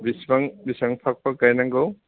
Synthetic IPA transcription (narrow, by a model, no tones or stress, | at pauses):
bisbaŋbisaŋpʰak̚pakajnaŋɡaw